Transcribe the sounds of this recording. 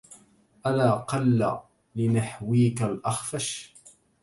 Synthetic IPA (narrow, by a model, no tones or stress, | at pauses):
ʔalaːqɑlːa̰ | lɪnaħwiːkalʔɑxfaʃ